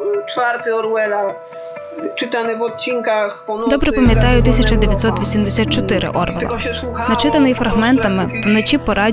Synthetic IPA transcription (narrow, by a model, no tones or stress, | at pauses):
t͡ʂfaɾt̪ɪɔɾwɛla | t͡ʂɪt̪anɛvɔt̪̚t͡ɕinkaxpɔnd̪ɔbɾɛpɐmʲjɐt̪ɑjʊt̪ɪsʲɐt͡ʃɐd̪eʋʲjɐt̪ʲsɔt̪ʋʲisʲimd̪esʲat̪̚t͡ʃɔt̪ɪɾɪ̰ʔɔɾʋɛ̰lˠɐ̰nɐt͡ʃɪt̪ɐnɪjifɾɐɣmɛnt̪ɐmɪʋnɔt͡ʃʲipɔɾɑ